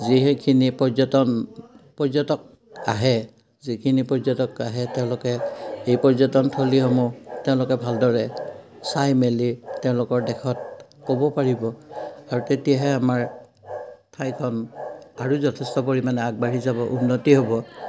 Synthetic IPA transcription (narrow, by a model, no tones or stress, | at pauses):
ziɦekʰinipɔzɔtɔnpɔzɔtɔk̚ | a̰ɦɛ | zikʰinipɔɹzɔtɔkaɦɛtɛʊ̃lʊkɛejpɔɹzɔtɔntʰoliɦɔmɔtɛʊ̃lʊkɛbʱaldɔɹɛ | sajmelitɛʊ̃lʊkɔɹdɛkʰɔt̚kobɔpaɹibɔaɹutetiaɦɛamaɹ | tʰajkʰɔnaɹuzɔtʰɛstɔpoɹimanɛaɡ̚baɹizabɔʔunːɔtiɦobɔ